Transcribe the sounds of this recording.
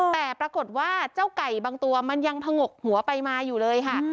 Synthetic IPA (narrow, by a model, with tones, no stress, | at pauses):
t̪ɛː˨˩pɾa˧ko˨˩t̪̚waː˥˩t͡ɕa˥˩wka˨˩jbaː˧ŋt̪u˧ɐma˧nja˧ŋt̪ʰa˧ŋo˨˩k̚hu˩˦ɐpa˧jmaː˧juː˨˩lɤː˧jkʰa˥˩ʔ